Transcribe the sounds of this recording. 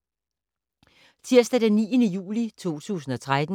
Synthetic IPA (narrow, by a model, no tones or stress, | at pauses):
t͡sʰiɐsd̥æd̥enːiːənəjṵːlit͡sʰo̝̰ːt͡sʰṵːs̬n̩ɒ̽t͡sʰʁad̥n̩